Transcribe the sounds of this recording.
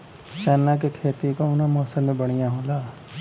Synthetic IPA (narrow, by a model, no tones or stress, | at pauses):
t͡ʃɛːnːak̬ekʰeːt̪ikoʊnamɔːsəlmẽbɐɽ̃ijãɦõːlaː